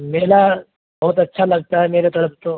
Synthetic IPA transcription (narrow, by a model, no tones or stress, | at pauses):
meːla | bɔɦut̪ɐtːʃʰalɐɡ̚t̪aɦɛmeːɾet̪ɐləp̚ʰt̪o